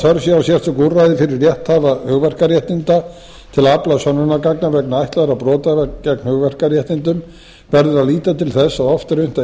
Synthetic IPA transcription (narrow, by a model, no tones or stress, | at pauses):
θœɾsjawsjɛr̥t̪ʏkurːajðɪfɪɾɪrːjɛht̪havahʏɣvɛr̥kaɾjɛht̪ɪnt̪a | t̪ʰɪlaplaðsanːʏnakaknavɛknaajht̪laðɾapɾɔːt̪avɛcɛkn̥hʏɣvɛr̥karjɛht̪ɪnt̪ʏm | vɛɾðʏɾaðliːt̪at̪ʰɪlθɛsːaðɔft̪ɪɾʏn̥t̪a